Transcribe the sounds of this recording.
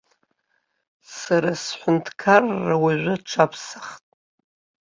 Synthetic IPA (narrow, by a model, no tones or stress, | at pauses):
saɾasħʷʊntʰkʰarːawaʒʷʊʈ͡ʂʷʰapʰsḁχtʼ